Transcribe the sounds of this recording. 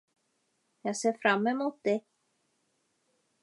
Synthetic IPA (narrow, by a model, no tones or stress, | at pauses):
jasɛːfɾamːɛmuːt̪ːɪ